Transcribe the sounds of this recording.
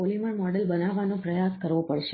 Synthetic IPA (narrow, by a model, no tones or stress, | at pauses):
oliməɳmɔɽəlbənaʋːanõpɾəjaskəɾʋopəɽʃe